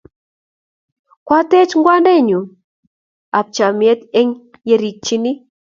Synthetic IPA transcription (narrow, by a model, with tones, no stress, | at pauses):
kwa˦tɛ˦t͡ʃŋɡwa˦ndɛ˦˨ɲu˨ | a˨p̚t͡ʃa˨mjɛ˦t̪ɛ˦ŋ | je˨ɾi˨k̚t͡ʃi˦ni˦